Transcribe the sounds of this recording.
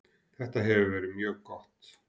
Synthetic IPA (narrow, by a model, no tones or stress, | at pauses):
θɛht̪aɦɛvʏvɛːɾɪmjœːɣkɔht̪